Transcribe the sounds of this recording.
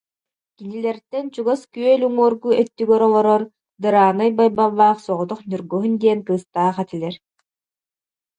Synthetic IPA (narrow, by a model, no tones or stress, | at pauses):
kinilɛɾt̪ɛnt͡ɕuɡaskyœlʲuŋuɔɾɡuɛt̪ːyɡœɾɔlˠɔɾɔɾ | d̪ɯɾaːnɯjbajbalˠːaːχsɔʁɔt̪ɔχnyɾɡɔɦund̪iɛnkɯːst̪aːχat̪ilʲɛɾ